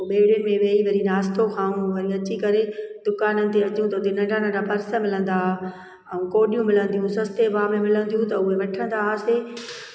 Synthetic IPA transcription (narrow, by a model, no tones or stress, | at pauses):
ɓeːɽʊnɪ̆mẽʋeːiʋɐɾinaːst̪oxʰãːũʋɐɾiɐt͡ɕikɐɾed̪ʊkaːnənɪ̆t̪eɐt͡ɕũt̪ɐʊt̪ɪnɐ̃ɖʱãnə̃ɖapɐɾsəmɪlə̃nd̪aːɦ | ɛ̃koːɗijũmɪlə̃nd̪ijũsɐst̪ebaːmẽmɪlə̃nd̪ijũt̪ɐʊɦeʋɐʈʰə̃nd̪aːɦseː